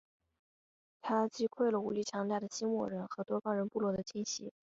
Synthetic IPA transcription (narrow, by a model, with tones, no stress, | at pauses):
t̪ʰa˥t͡ɕi˥kʰwe˥˩ɪlə˩u˧˥li˥˩ʈ͡ʂʰjɑ˧˥ŋt̪a˥˩ɪd̪ə˩ɕi˥nwɔ̰˥˩ɻə˧˥nxɤ˧˥t̪wɔ˥kɑ˥ŋɻə˧˥npu˥˧lwɔ˥˩d̪ə˩t͡ɕʰi˥nɕḭ˧˥